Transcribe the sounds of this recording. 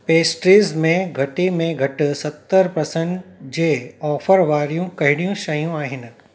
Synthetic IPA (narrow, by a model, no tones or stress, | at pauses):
peːsʈɾiːzmẽɡʱɐʈimẽɡʱɐʈsɐt̪ːəɾpɐsə̃ɳʈd͡ʑeːɔːfəɾʋaːɾijũkɐɦɪɽ̃ijũʃɐjũaːɦɪnɪ̆